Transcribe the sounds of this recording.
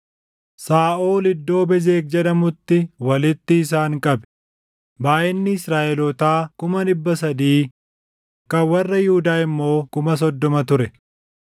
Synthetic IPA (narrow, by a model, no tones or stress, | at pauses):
saːʔoːlɪd̪ːo̞ːbɛzeːk̚d͡ʒɛᶑɐmʊt̪ːɪwɐlɪt̪ːɪːs̬aːŋkʼɐbɛ̥ | baːʔɪnːɪɪsɾaːʔɛlɔt̪aːkʊmɐᶑɪbːɐsɐd̪iː | kɐwɐrːɐjʊhʊd̪aːɪmːo̞ːkʊmɐs̬ɔd̪ːɔmɐt̪ʊɾɛ